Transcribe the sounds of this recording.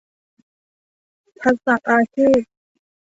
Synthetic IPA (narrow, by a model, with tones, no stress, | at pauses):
p̪ʰa˧˥k̚sa˨˩ŋ̚ʔaː˧t͡ɕʰiː˥˩t̪̚